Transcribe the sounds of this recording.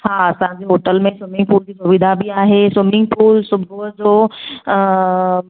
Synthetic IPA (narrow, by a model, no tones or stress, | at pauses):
ɦaːɐsãd͡ʑeɦoːʈəlmẽsɪmɪ̃ŋɡ̚puːld͡ʑiːsʊʋɪd̪ʱabiaːɦeswɪmɪ̃ŋɡ̚puːlsʊbʱud͡ʑoː